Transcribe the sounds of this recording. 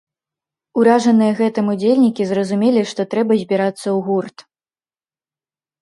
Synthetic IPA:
uɾaʐɐnɨjɐɣɛt̪ɨmud͡zʲelʲnʲikʲizrɐzumʲelʲiʂt̪ɔt̪ɾɛbɐzʲbʲiɾat̪sːɐwɣurt̪

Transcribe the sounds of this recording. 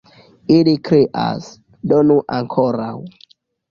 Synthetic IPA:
ilikɾiʔa̰s | donuʔaŋkʰoɾaw

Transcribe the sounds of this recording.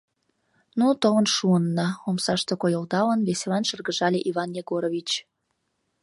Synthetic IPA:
nut̪əvənʃuənːɑomsɑʃt̪ekojold̪ɑlənβeselɑnʃərɣəʒɑlʲeʔiβɑnjeɡoɾoβʲit͡ɕ

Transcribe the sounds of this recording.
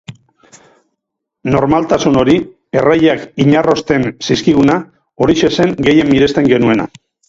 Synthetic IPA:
no̞ɾmalt̪asuno̞ɾi | e̞raʎakiɲaro̞st̪e̞nsiskiɣ̞una | o̞ɾiʃe̞se̞ŋɡe̞je̞mːiɾe̞st̪e̞ŋɡe̞nue̞na̰

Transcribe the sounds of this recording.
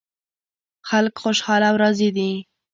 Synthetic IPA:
xalkxoʃhɑlawɾazid̪i

